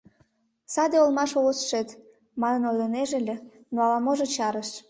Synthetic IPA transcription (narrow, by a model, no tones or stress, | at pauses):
sɑd̪eolmɑʃoɣot͡sʃet̪ | mɑnənojləneʒĕlʲĕ | noɑlɑmoʒet͡ɕɑɾəʃ